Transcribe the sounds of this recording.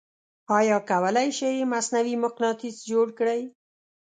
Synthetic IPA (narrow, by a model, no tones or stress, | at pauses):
ɑjɑkawəlajʃejmasnawimʊqnɑt̪isd͡ʒoɽkɽəj